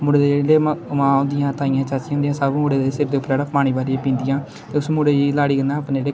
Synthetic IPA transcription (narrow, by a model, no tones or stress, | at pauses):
mʊɽeːd̪elemãːõːnd̪ɪjãːt̪aːɪjãːt͡ʃaːt͡ʃjãõːnd̪ĩjãːsəbmoːɽeːd̪esɪɾbd̪eːʊpːəɾɛːɽaːpaːɽ̃iːbaːɾijãːpĩːnd̪ɪijãː | t̪eːʊsmʊːɽeːiːlaːɽiːɡənãːəpneːleː